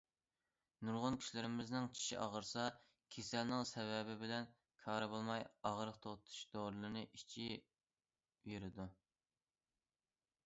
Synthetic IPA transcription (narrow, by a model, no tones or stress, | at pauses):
nuɾʁʊnkʲʰi̥ʃlɪɾɪmɪznɪŋt͡ʃʰi̥ʃḭʔɑ̰ʁəɾsɑ | kʲʰesɛlnɪŋsɛvɛbɪbɪlɛn | kʰɑːɾɨbolˠmɑjɑʁɾəqt̪ʰot̪ʰu̥ʃd̪oɾɨlˠnɨʔit͡ʃʰi | veɾɪd̪u